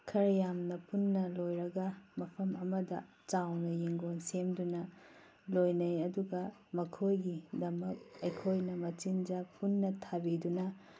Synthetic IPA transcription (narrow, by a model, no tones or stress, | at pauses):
kʰɐɾjamnɐpunːɐlojɾɐɡɐmɐpʰɐmɐmɐdɐ | t͡ʃawnɐjiŋɡonsemdunɐ | lojnɐjɐduɡɐ | mɐkʰojɡidɐmɐk̚ɐjkʰojnɐmɐt͡ʃind͡ʒɐpunːɐtʰabidunɐ